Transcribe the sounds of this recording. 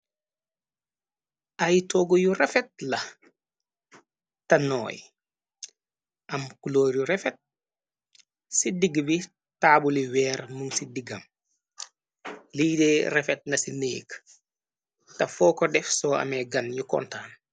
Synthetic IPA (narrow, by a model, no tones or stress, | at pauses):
ʔɐjtɔːɡɔjurɛfɛt̚lɐ | tɐnɔ̰ːj | ʔɐmkuloːɾjuɾɛfɛt̚ | sidiɡbi | taːbuliwɛːrmuŋsidiɡɐm | liːdɛrɛfɛt̚nɐsinḛːk | tɐfɔːkɔdɛfsɔːɐ̰mɛɡɐnɲukɔ̰ntaːn